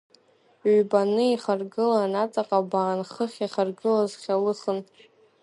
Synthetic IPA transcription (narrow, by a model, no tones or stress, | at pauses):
banɨiχarɡɨlanat͡sʼaqʼabaːnχəχʲaχarɡɨlazχʲalɨχən